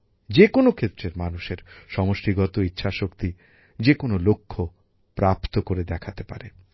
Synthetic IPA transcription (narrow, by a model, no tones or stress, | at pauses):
d͡ʑekonokʰet̪ːɾeɾmanuʃeɾʃɔmoʃʈiɡɔt̪oitːɕʰaʃokt̪i | d͡ʑekonolokʰːo | pɾapt̪okoɾed̪ɛkʰat̪epa̰ɾe